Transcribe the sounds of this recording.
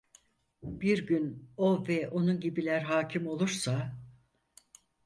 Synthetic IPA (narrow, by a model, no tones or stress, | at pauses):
biɾɟyno̞vɛʔo̞nunɟibilʲæɾɦaːcʰimo̞lˠuɾsa